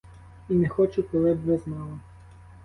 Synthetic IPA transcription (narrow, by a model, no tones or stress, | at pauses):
inɛxɔt͡ʃʊkɔlˠɪbʋɛznɑlˠɐ